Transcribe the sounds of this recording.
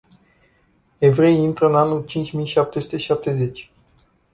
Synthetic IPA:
e̞vɾe̞jint̪ɾəɨnanult͡ʃint͡ʃʲmijʃap̚t̪esu̥t̪e̞ʃap̚t̪e̞ze̞t͡ʃʲ

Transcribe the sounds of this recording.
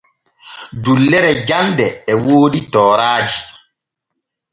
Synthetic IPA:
dulːɛɾɛd͡ʒandɛːwoːɗitɔːɾaːd͡ʒi̥

